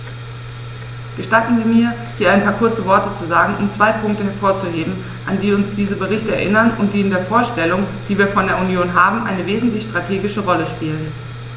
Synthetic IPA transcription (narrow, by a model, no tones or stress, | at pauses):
ɡ̥əʃtatn̩ziːmiːɐ | hiːɐʔaɪnpʰaːɐkʰʊɐt͡səvɔɐtət͡suzaːɡŋ̩ʔʊmt͡sv̥aɪpʰʊŋk̚təhɛɐfoːɐt͡suheːbm̩ | ʔandiːʊnsd̥iːzəbəʁ̞ɪçtəɛɐʔɪnɐnʊ̰nt̚d̥iːɪndeːɐfoːɐʃtɛlʊŋd̥iːviːɐfɔndeːɐunjoːnɦaːbm̩ʔa̰ɪnəveːzn̩tlɪçʃtʁ̥atʰeːɡɪʃəʁɔləʃpiːlən